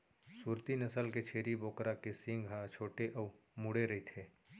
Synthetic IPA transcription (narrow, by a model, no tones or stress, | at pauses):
suːɾt̪inɐsəlket͡ʃʰeːɾiboːkɾakesɪ̃ŋɡɦat͡ʃʰoːʈeʔəːmuɽeɾɐɦit̪ʰeː